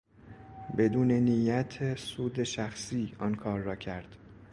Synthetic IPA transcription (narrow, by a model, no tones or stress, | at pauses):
be̞d̪uːne̞nijæt̪ʰesuːd̪eʃæxsiːɒnkʰɒːɾːɒːcʰæɾd̪̥